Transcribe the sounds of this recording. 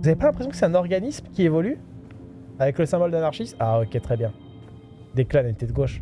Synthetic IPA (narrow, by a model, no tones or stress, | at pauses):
uzavepalɛ̃pχesjɔ̃kəsɛt̪ɛ̃nɔʁɡanismkʲievɔly | avɛkləsɛ̃bɔld̪anaʁʃistaokʲet̪χɛbjɛ̃ | d̪eklalanit̪ed̪əɡoʃ